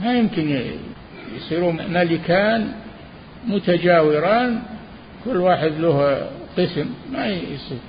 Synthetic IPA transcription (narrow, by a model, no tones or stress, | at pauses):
majɪmkɪn | jsˤiːɾuːmalɪkaːn | mʊt̪ad͡ʒaːwɪɾaːn | kʊlːwaːħɪd̪luːhqɨsmːajsˤiːɾ